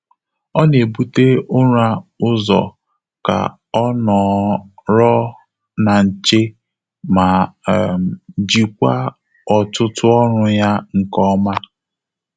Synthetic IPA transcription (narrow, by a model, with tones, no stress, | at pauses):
ɔ˦ne˨bu˦te˦ʊ˦ɾa˦ʊ˦zɔ̰˨ | ka̰˨ | ɔ˦nɔ˨ɾɔ˦ | na˨n̩˨t͡ʃe˦ | ma˨m˨d͡ʒi˨kʷa˦ | ɔ˨tʊ˦tʊ˦ɔ˦ɾʊ˦ja˦ŋ̩˨kɔ˦ma˦